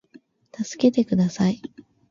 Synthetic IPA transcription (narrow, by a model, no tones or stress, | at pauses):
t̪asɨ̥ke̞t̪e̞kɯ̟d̪asai